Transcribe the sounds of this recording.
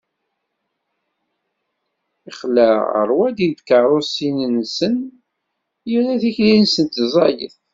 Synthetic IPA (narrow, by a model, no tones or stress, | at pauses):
iχlæə̰ɾˤwæd̪ind̪kəɾˤosinnsən | jəlæθiçlinsənt̪zˤɑjə̰θ